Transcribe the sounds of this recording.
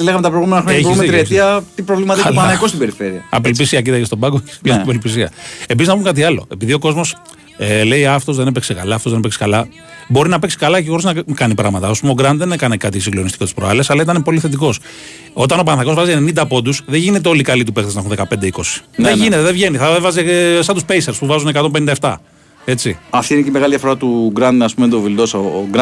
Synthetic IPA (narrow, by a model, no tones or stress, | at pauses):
eleɣɐmet̪ɐpɾeɣumenɐxɾoeumet̪ɾiet̪iɐt̪ipɾovlimɐðiiopɐnɐkost̪ibeɾifeɾiɐɐ̰pelpisiɐcit̪ɐcest̪o̞bɐɡoce̥spjespelpis̬iɐ̰e̞piziznɐpumkɐt̪̬iɐlo̞̰e̞̰piðio̞ko̞zmo̞s | ele̞iɐft̪o̞zðenepeksekalɐːft̪ozðepekskɐlɐ | bo̞ɾinɐpe̞ksi̥kɐlɐcexo̞ɾiznɐkɐnipɾɐɣmɐt̪ɐspumeoɡɾɐnd̪ðenekɐnekɐt̪isiŋɡlo̞nist̪i̥ko̞t̪i̥spɾoɐlesɐlɐit̪ɐnepo̞liθe̞t̪̬iko̞s | o̞t̪ɐno̞pɐnθɐko̞zvɐzienenind̪ɐpo̞d̪usðeʝine̞t̪̬eo̞likɐlit̪upe̞kθeznɐxunðekɐpe̞nd̪eiko̞si̥eʝine̞t̪eðevʝe̞niθɐevɐziesɐnt̪uspeiseɾspuvɐzune̞kɐt̪o̞mpenind̪ɐeft̪ɐ̰ | e̞t͡siɐft̪iineceimeɣɐliðijɐfo̞ɾɐt̪uɡɾɐnɐspumend̪ovild̪osoɡɾ